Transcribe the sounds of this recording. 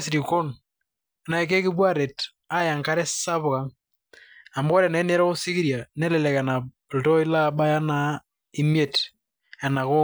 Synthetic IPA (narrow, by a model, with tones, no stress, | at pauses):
si˨ɾi˨ko˦n | na˨e˨ke˦ki˦bwa˦ɾe˨t | a˦ja˨ŋka˦ɾɛ˦sa˦βʊ˨ɣa˨˦ŋ | a˨mbɔ˦ɾɛ˨na˨˦ne˦ɾɔ˦ɣo˦si˦ɣi˦ɾja˨nɛ˦lɛ˨lɛ˨ka˨na˨ | ltɔ˦i˦la˦ba˦ja˦na˨ | i˦m˦e˦˨t | a˨na˨ɣo˦